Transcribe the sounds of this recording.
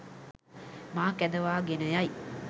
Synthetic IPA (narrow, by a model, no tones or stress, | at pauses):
maːkæd̪əʋaːɡenəjaj